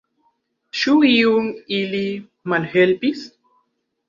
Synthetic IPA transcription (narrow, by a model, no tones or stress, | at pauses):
ʃuiuŋili | malhelpis